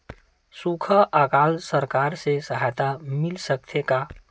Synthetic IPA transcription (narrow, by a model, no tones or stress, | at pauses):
sukʰəʔakaːlsəɾkaːɾsesəɦajt̪amɪlsək̚t̪ʰeka